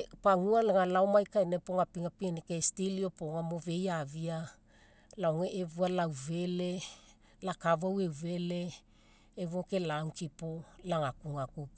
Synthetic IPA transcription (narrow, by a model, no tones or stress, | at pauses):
paŋualaŋalaomajkajnapoŋapiŋapienekestilio̞poŋamove̞javia | laoŋeʔevualawve̞le̞ | lakavawe̞wve̞le̞ː | voke̞lauŋkipolaŋakuŋakup